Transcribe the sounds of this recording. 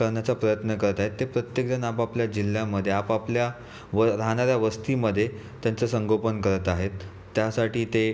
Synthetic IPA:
kəɾɳjat͡sapɾəjət̪nəkəɾət̪aɦet̪ːepɾət̪jek̚d͡zənapapljad͡ʑil̤ːjaməd̪ʱːjeapaplja | ʋəɾaɦɽ̃aɾjaʋəst̪iːməd̪ʱːje | t̪jant͡səsəŋɡopənkəɾət̪aɦet̪ː | jasaʈiːt̪e

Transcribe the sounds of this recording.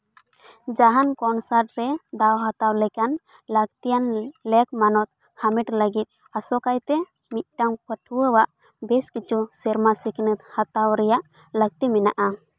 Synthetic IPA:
d͡ʒaɦankɔnsaɾʈ̚ɾɛd̪awɦat̪awlɛkan | lək̚t̪ijanlɛk̚manɔt̪̚ | hamiʈləɡit̪̚ˀ | asɔkajt̪ɛ | mit̪̚ʈamkəʈʰuwəwaʔ | bɛskit͡ʃusɛɾmasiknət̪hat̪awɾɛjaʔ | lək̚t̪imɛna̰ʔa

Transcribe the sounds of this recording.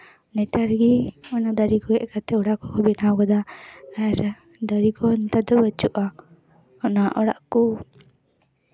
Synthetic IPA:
nɛt̪aɾɡiɔnad̪aɾikɔɡɛʔkat̪ɛɔɽaʔkɔkɔbinawɡɔd̪aaɾ | d̪aɾikɔnɛt̪ad̪ɔbət͡ʃuʔa | ɔnaʔɔɽa̰ʔku

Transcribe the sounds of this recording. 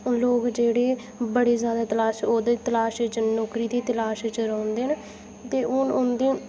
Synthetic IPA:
loːkd͡ʒeːɽeː | bəɽeːzjaːd̪aːt̪əlaːʃoːd̪eːt̪əlaːʃt͡ʃənɔːkɾiːt̪eːt̪əlaːʃt͡ʃəɾəʊnd̪eːnː | t̪eːʊnʊnd̪eː

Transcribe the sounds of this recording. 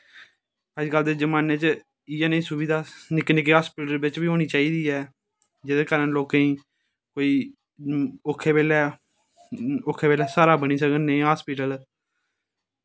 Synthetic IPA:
əd͡ʒkəld̪eːd͡ʒəmaːneːt͡ʃ | iːɛːnəĩːsʊbiːd̪aːnɪknɪkiːɦaːspiːʈəlbɪt͡ʃbiːɦoːñiːt͡ʃaːiːd̪iːɛː | d͡ʒɪd̪eːkəɾənloːkãːĩː | koːiː | oːkʰːeːbeːlɛː | oːkʰːeːbeːlɛːsaːɾaːbəñiːsəɡənəĩːɦaːspiːʈəl

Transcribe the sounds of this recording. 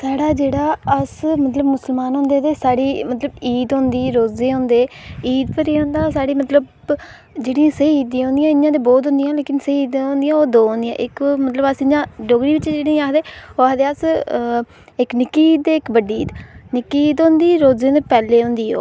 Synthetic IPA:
saːɽaːd͡ʒeːɽaːəsmət̪ləbmʊsəlmaːnɦõːnd̪eːd̪eːsaːɽiːmət̪ləbiːd̪õːnd̪iːɾoːzeːɦõːnd̪eːiːd̪pəɾeːɦõːnd̪aːsaːɽiːmət̪ləb | d͡ʒeːɽĩãːsəiːd̪ĩɦõːnd̪ijãːɪjãːd̪eːboːt̪ɦʊ̃nd̪ijãːleːkɪnsəiːd̪õːnd̪ɪjãːoːd̪oːɦnd̪ijã̰ːʔɪkmət̪ləbəsɪɲãːɖoːɡɾiːʋɪt͡ʃd͡ʒeːɽiĩaːkʰd̪eːoad̪eːəs | ɪknɪkːiːiːd̪eːɪkbəɖiiːd̪nɪkːiiːd̪õːnd̪iːɾoːzeːd̪eːpɛːleːɦʊ̃nd̪iːo̰ː

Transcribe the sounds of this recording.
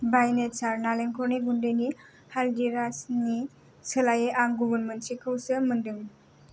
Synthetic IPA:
bajnesaɾnaleŋkʰɔɾniɡundɯjni | haldiɾasni | səlajeʔaŋɡubəɾmentsikʰɯwsɯmɯndɯŋ

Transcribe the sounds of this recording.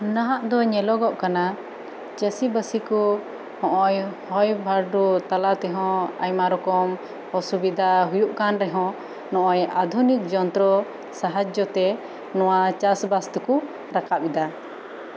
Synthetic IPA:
naɦaʔd̪ɔɲɛlɔɡɔʔkana | t͡ʃəsibəsikɔ | hɔ̃ʔɔjhɔjbʱaɾɖut̪alat̪ɛɦɔ̃a̰jmaɾɔkɔm | ɔsubid̪ʱaɦujuʔkanɾɛɦɔ̃ | nɔ̃ʔɔjad̪ʱunik̚d͡ʒɔnt̪ɾɔ | saɦad͡ʒɔt̪ɛ | nɔwat͡ʃasbast̪uku | ɾakapid̪a

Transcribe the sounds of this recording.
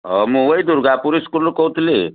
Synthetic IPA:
ɔmũʋəid̪uɾɡapuɾiskulkout̪le

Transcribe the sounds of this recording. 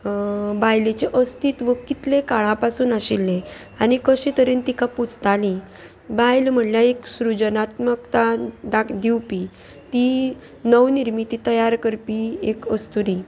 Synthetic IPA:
bajlet͡ɕeʔəst̪iːt̪ʋəkit̪lekaɭ̃ãpasuːnaɕilːe | anikəɕĩt̪əɾint̪ikãput͡st̪alĩ | bajlm̤əɳljaeksɾud͡ʑənat̪mək̚t̪ad̪akd̪iwpi | t̪i | nəwniɾmit̪it̪əjaɾkəɾpiekəst̪uɾi

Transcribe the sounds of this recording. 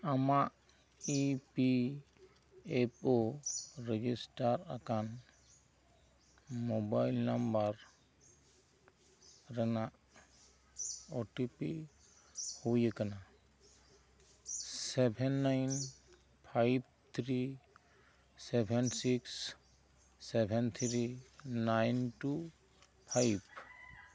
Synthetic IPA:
amaʔ | ipi | epoɾɛd͡ʒisʈaɾakan | mobajlnambaɾ | ɾɛnaʔ | ɔʈipi | hujəkana | sɛbʱɛnːajn | pʰajb̚t̪ʰɾi | sɛbʱɛnsiksː | ɛbʱɛnt̪ʰɾinajnʈu | pʰajb

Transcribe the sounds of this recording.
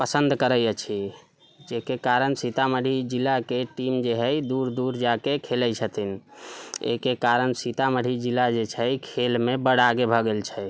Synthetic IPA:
pəsənd̪kəɾəjət͡ʃʰi | d͡ʒekekaɾənsit̪aməɽ̤ʱid͡ʒilːakeʈimd͡ʒeɦəjd̪uɾd̪uɾd͡ʒakekʰeləjt͡ʃʰət̪in | ḛkekaɾənsit̪aməɽ̤ʱid͡ʒilːad͡ʒet͡ʃʰɛjkʰelmebəɽ̤aɡebʱəɡelt͡ʃʰɛ

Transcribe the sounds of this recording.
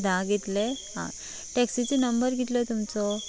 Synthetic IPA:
d̪ʱãɡʱet̪leɦã̰ | ʈeksit͡senəmbəɾɡʱit̪lət̪umt͡sɔ

